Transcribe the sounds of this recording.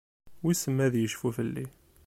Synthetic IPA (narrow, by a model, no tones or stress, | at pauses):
wisəmːæðjəʃfufəlːi